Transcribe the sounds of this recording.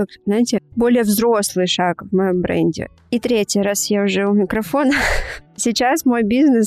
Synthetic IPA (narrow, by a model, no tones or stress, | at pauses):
kakznajɪtʲɪbo̞lʲɪjəvzɾo̞slˠɨjʂakvmɐjo̞mbɾɛ̰nʲdʲɪ̰ | it̪ɾʲetʲjəɾasjaʊʐɛʊmʲɪkɾɐfo̞nəsʲɪt͡ɕasmo̞jbʲiznɨs